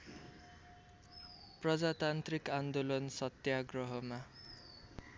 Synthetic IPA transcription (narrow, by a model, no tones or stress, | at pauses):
prʌd͡zat̪ant̪rikand̪olʌnsʌt̪jaɡrʌɦʌma